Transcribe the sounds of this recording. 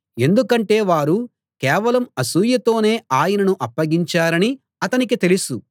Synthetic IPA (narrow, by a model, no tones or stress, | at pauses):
e̞nd̪ukɐɳʈe̞ːʋaːɾu | kɛːʋɐlɐmɐsuːjɐt̪o̞ːne̞ːaːjɐnɐnuʔɐpːɐɡiɲt͡ʃaːɾɐni | ɐt̪ɐnikit̪e̞lusu